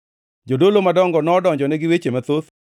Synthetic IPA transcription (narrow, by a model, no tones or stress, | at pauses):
d͡ʒodolomadɔŋɡɔnɔdɔɲd͡ʒɔnɛɡɪwet͡ʃemat̪ot̪